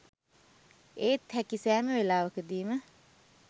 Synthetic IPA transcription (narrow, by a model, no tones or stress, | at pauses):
eːt̪ʰhækisæːməʋelaːʋəkəd̪iːmə